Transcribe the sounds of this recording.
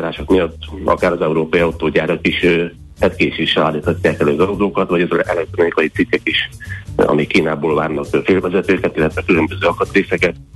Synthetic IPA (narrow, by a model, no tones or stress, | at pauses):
ɾaːʃokmijɒt̪ːɒ̰kaːɾɒzɛuɾoːpɒjiɒwt̪oːɟaːɾɒkiʃ | hɛt̪keːʃeʃːɛlaːlːiːt̪hɒcːaːkɛløːɡɒzd̪oːkɒt̪vɒɟɛzɛkɛʔɛlɛk̚t̪ɾo̞nikɒjit̪sikːɛkiʃɒ̰mikːiːnaːboːlvaːrnɒkːfeːlvɛzɛt̪øːkɛt̪ilːɛt̪ʋɛkylø̞mbøzøːɒkɒt̪reːsɛkɛt̪̚